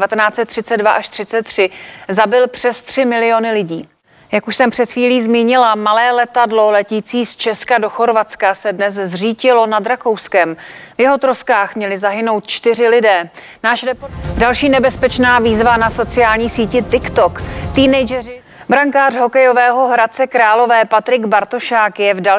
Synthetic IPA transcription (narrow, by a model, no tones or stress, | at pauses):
vat̪ɛnaːt͡sɛt̪ːr̥ɪt͡sɛddvaʔaʃt̪r̥ɪt͡sɛt̪ːr̥ɪzabɪlpr̝̥ɛst̪r̥ɪmɪlɪjo̞nɪlɪɟiː | jakuʃsɛmpr̝̥ɛt̪xiːliːzmiːɲɪlamalɛːlɛt̪adlo̞lɛciːt͡siːst͡ʃɛskadoxo̞ɾvat͡skasɛdnɛszriːcɪlo̞nadɾako̞wskɛmvjɛɦo̞t̪ɾoskaːxmɲɛlɪzaɦɪno̞wt̪̚t͡ʃt̪ɪr̝ɪlɪdɛː | naːʃɾɛpodalʃiːnɛbɛspɛt͡ʃnaːviːzvanaso̞t͡sɪjaːlɲiːsiːcɪt̪ɪkt̪o̞kt̪iːnɛjd͡ʒɛrɪ | bɾaŋkaːrɦo̞kɛjo̞vɛːɦo̞ɦɾatt͡sɛkɾaːlo̞vɛːpat̪ɾɪɡbaɾt̪o̞ʃaːkjɛvda